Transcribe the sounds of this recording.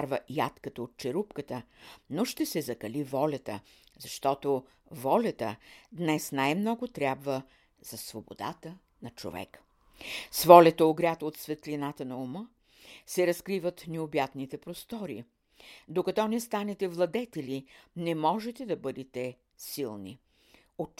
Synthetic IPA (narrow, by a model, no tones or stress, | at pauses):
ɾvəjat̪kət̪əot̪̚t͡ʃɛɾupkət̪ənoʃt̪ɛsɛzɐkɐlivɔlʲɐt̪ə̰ | zɐʃt̪ɔt̪o | vɔlʲət̪ə̰d̪nɛsnajmnɔɡot̪ɾʲabvə | z̥ɐsvobo̰d̪a̰t̪ə | nɐt͡ʃo̰vɛ̰k | svɔlʲɐt̪əoɡɾʲjat̪ot̪svɛt̪linat̪ənɐomə | sɛɾɐskɾivət̪nɛobjat̪nit̪ɛpɾost̪ɔɾḭ | d̪okɐt̪ɔnɛst̪anɛt̪ɛvlˠɐd̪ɛt̪ɛlinɛmɔʒɛt̪ɛd̪ɐbɤd̪ɛt̪ɛ | silˠnḭ | o